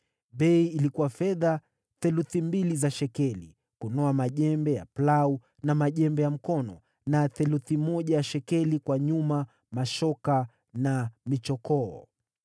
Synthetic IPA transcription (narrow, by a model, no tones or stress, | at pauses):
ɓɛiːlikuwafɛða | θɛluθimbilizaʃɛkɛlḭ | kunɔamaʄɛmbɛja̰plau | namaʄɛmbɛjam̩kɔnɔ̰ | naθɛluθimɔʄajaʃɛkɛlikwaɲuma | maʃɔka | namit͡ʃɔkɔː